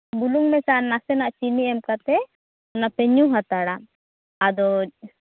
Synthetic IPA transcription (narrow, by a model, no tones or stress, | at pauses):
buluŋmɛsaʔnasɛnaʔt͡ʃiniɛmkat̪ɛ | ɔnapɛɲuɦat̪aɽa | ad̪ɔ